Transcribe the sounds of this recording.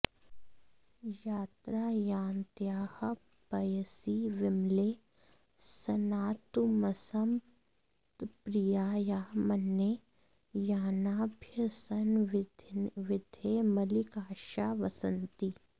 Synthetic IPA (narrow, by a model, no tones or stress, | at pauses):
jaːt̪ɾaːjaːnt̪jaːhɐ | bɐjəsiʋɪmleː | sɐnaːt̪umɐsɐm | t̪pɾijaːjaːmɐnːe | jaːnaːbʱjɐsɐndʋɪd̪ʱeːmɐlikaːʃaːʋɐsənt̪i